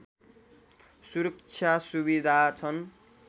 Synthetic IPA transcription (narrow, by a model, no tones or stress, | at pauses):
suɾʌkt͡sʰjasubid̪ʱat͡sʰʌn